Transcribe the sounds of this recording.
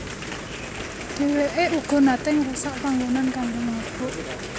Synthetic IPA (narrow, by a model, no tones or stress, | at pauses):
d̪̥e̤weʔeuɡ̥ɔ̤nat̪ɪŋrusaʔpaŋɡunankaɳdoŋnəb̥ʊʔ